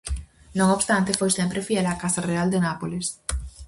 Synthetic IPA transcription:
nõŋoβst̪ant̪efojsempɾefjɛlakasareald̪enapoles

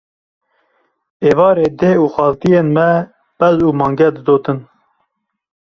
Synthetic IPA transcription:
eːvɑːɾeːd̪eːuːxɑːlt̪ijeːnmɛ | b̥ɛzuːmɑːŋɡɛd̪ɨd̪oːt̪ɨn

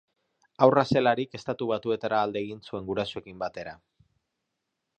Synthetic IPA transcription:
awrase̞laɾike̞st̪at̪uβ̞at̪ue̞t̪aɾaːld̪e̞ːɣinsue̞ŋɡuɾasoe̞kimbat̪e̞ɾa

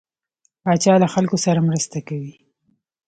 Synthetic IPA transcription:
bɑt͡ʃɑlaxalkosaɾamɾəst̪akawi

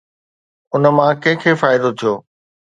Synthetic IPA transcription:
ʊnəmãkɛ̃ɦɪ̃kʰeːfaːɪd̪ot̪ʰijoː

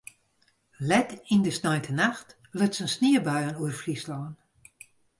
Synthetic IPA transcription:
lɛtindəsnɔjntʰənaxt | løtsənsniəbœjənuərfrislɔːn

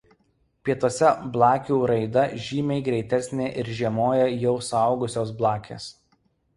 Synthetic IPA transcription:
pʲiɛt̪oːsʲɛblˠɑːkʲuːɾɐɪd̪ɐʒʲiːmʲɛɪɡɾʲɛɪt̪ʲɛsʲnʲeːʔɪɾʒʲiɛmoːjɛjɛʊsɑˑʊɡʊsʲoːs̬blˠɑːkʲʰḛːs

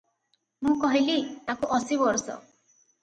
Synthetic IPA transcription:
mũkɔɦilit̪akuʔɔsibɔɾsɔ̰

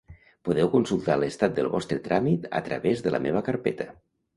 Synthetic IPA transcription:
puðɛwkunsulˠt̪aləst̪at̪̚d̪əlˠβɔst̪ɾət̪ɾʔamit̪ə̰t̪ɾə̰βezðələ̰meβ̞əkəɾpɛt̪ə

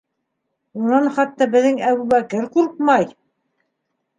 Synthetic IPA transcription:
unɑnχɑt̪ːɑbɘ̆ðɘŋæβuβækɘɾquɾqmɑj

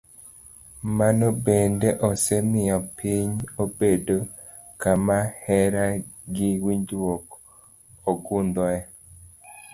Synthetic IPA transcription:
manobendeʔɔsɛmɪjɔpiɲobedo | kamahɛɾaɡɪwiɲdwok | oɡund̪ɔɛ

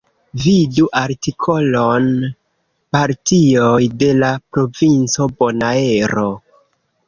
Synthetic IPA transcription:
viduʔaɾtikʰo̞lon | paɾtiojde̞lapɾo̞vint͡so̞bo̞naeɾo̞

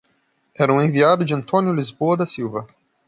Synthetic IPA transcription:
ɛɾɐũẽviad̪ʊd͡ʒɪɐ̃nt̪õnjʊlizboɐd̪ɐsiwvɐ

